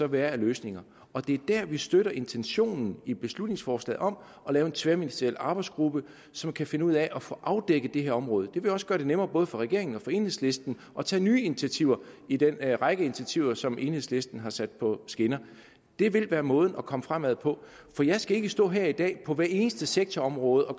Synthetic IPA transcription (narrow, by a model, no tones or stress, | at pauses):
sɒ̽ʋæːɐæløːsne̝ŋɐ | ɒ̽d̥e̝æɐd̥æɐ̰ʋisd̥øɾɐʔe̝nt͡sʰenɕo̝̰ːnn̩ib̥e̝slud̥ne̝ŋsfɒːslɛ̰ːð̩ˠɒ̽m | ɒ̽lɛːʊe̝nt͡sʰʋeɐminisd̥ɐel̰ɑ̈ːb̥ɑ̈ɪsɡ̥ʁub̥ə | sɒ̽mkʰæfe̝nəuð̞̰ˠæɛʔɒ̽fɔ̰̽ʔɑ̈ʊd̥eɡ̥əd̥e̝ɦæɐ̰ɒ̽mʁɔ̽ːð̞̩ˠəd̥e̝ʋe̝jɒ̽sɡ̥ɶɐd̥e̝nemɐːbɔ̽ːð̞̩ˠfɒ̽ʁɛɡ̥e̝ɐe̝ŋn̩ɒ̽fɒ̽e̝ːnhe̝ðˠsle̝sd̥n̩ | ʔɒ̽t͡sʰɛ̰ːnyːinit͡sʰiæt͡sʰiʊ̰ɐid̥enʁɑɪɡ̥əint͡sʰæt͡sʰiʊ̰ɐsɒ̽mʔe̝nhe̝̰sle̝sd̥n̩ɦɑ̈sæd̥̚pʰɒ̽sɡ̥enɐ | d̥e̝ʋe̝lʋæːɐmɔ̽ːð̞ˠn̩ɒ̽kʰɒ̽məfʁam̰æð̰ˠpʰɒ̽ | fɒjɑ̈ɪsɡ̥æe̝ɡ̥əsd̥ɔ̰̽ːɦæɐ̰id̥ɛ̰ːpʰɒ̽ʋæɐe̝ːnəsd̥əseɡ̥̚t͡sʰɒɒ̽mʁɔ̽ːð̞̩ˠɒ̽